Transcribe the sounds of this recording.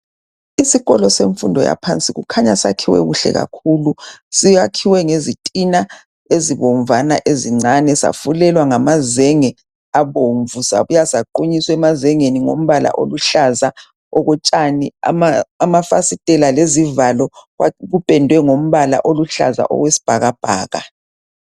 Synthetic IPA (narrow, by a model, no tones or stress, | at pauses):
isiɣɔlɔseɱfundʱɔja̰pʰant͡sʼiɣṵkʰaɲasa̰kʰiwɛ̰ɣuɬɛ̰ɣa̰kʰulusiakʰiwɛŋezitʼina | eziβɔɱvanaʔeziŋ͡ǀanɛsa̰fulɛlwaŋamazɛŋɛ | aβoɱvusa̰βujasaǃuɲiswɛmazɛŋeniŋo̰m̩βala̰ʔo̰luɬaza | ɔɣɔt͡ʃʼania̰maːmafasitʼɛlalezivalɔaɣupʼɛndʱwɛŋom̩βala̰ʔoluɬa̰za̰ʔɔ̰ɣwesi̥b̥ʱaɣab̥ʱaːɣa̰